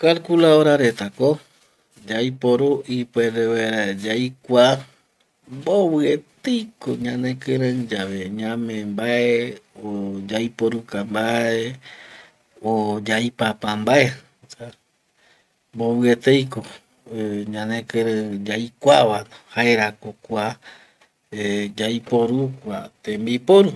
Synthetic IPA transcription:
kalkulaoɾaɾet̪ako | d͡ʒajpoɾuʔipeɾeβaɾad͡ʒajkʷa | mboβɨet̪ejkoɲãnẽkɨɾə̃d͡ʒaβeɲãmẽmbaeod͡ʒajpoɾukambae | od͡ʒajpapambae | sa | mboβɨet̪ejko | ɲãnẽkɨɾə̃d͡ʒajkʷaβanohaeɾakokʷa | ed͡ʒajpoɾukʷat̪ẽmbipoɾu

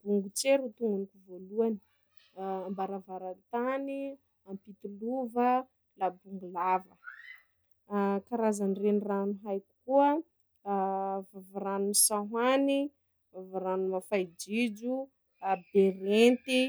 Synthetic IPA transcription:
buŋɡut͡seɾut̪uŋɡunikuvoluani̥ | ambaɾavaɾant̪ani | ampit̪iluvə | labuŋɡulavə | kaɾazanireniranuɦajku̥kuə | vavaɾanunisaɦani | avaɾanumafajd͡ʒid͡ʒu | abeɾent̪i

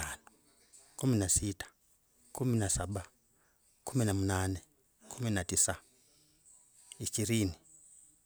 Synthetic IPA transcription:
anu | kuminasitḁ | kʰuminasaɓa | kuminamunane | kʰuminatisa | iʃiɾiːni

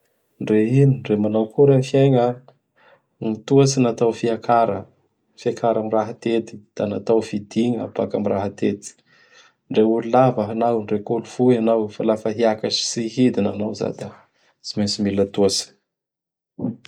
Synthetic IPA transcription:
ɳɖ͡ʐeɦiniɳɖ͡ʐemanawkuɾefiaŋə | nit̪uasinat̪awfiakaɾə | fiakʰaɾamiraɦat̪et̪i̥d̪̥anat̪awfid̪iŋa̰pakamiraɦat̪et̪i̥ | ɳɖ͡ʐeulilavaɦanawɳɖ͡ʐekoluv̥uianawefalafəɦiakasi̥siɦid̪inanawza̰d̪a | t͡simensimilət̪uasi̥

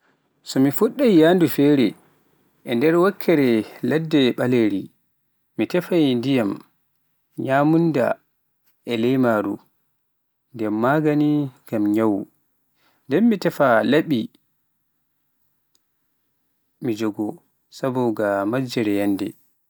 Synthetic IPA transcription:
sɔmifuɗːajjandufɛɾɛ | ʔɛndɛɾwakʰːɛɾɛladːɛɓaleɾi | mitɛfajndijam | ɲaːmunda̰ | ɛlɛjmaːɾṵ | ndɛmːaɡaniɡamɲawu | ndɛmːitɛfalaɓi | mid͡ʒɔɡɔ | sabɔɡamad͡ʒɛɾɛjandɛ

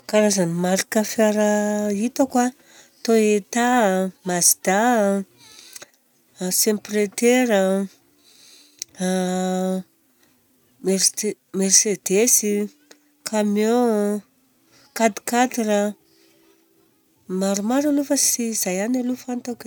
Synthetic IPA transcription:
kaɾazanimaɾikəfaɾait̪akwa | t̪oet̪amazid̪a | sempret̪eɾə | mersed̪esi | kʰamjo | kad̪i̥kat̪iɾə | maɾumaɾalufəsiːzajanalufant̪ak

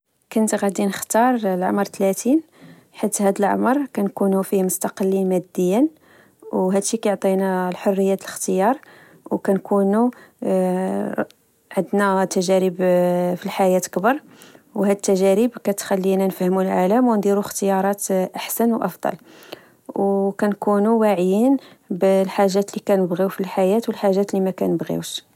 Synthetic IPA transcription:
kʊnt̪ɣæd̪inəxt̪ɑɾˤlʕa̰mɾt̪læt̪in | ħət̪ːhæd̪əlʕa̰məɾˤkænkunufimʊst̪ɑqəlːimæd̪ːəjːən | wɦæd̪ʃikæjoʕt̪ˤinælħorːəjːæt̪ələxt̪əjɑɾˤ | wkænkunu | ʕəd̪næt̪ːæʒæɾəbfilħajæt̪kbɑɾˤ | whæd̪ət̪ːæʒæɾəbkæt̪xælːinænfhmulʕalæmwnd̪ˤiɾuxt̪əjɑɾˤɑt̪ʔaħsænwʔɑfd̪ˤɑ̰l | wkænkunuwaʕjin | blħaʒːæt̪likænəbɣiwfilħajæt̪wəlħaʒːæt̪limækænəbɣḭwʃ

